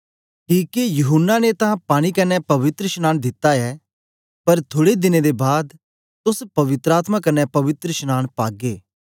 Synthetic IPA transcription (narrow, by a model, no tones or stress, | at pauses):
ʈiːkejʊɦʊnːanet̪ãpaːɽ̃ikɐnɛpɐʋɪt̪ɾəʃnaːñd̪ɪt̪ːaɛː | pɐɾt̪ʰoːɽed̪ɪned̪ebaːd̪ | t̪ʊspɐʋɪt̪ɾaːt̪mãkɐnɛpɐʋɪt̪ɾəʃnaːñpaːɡeː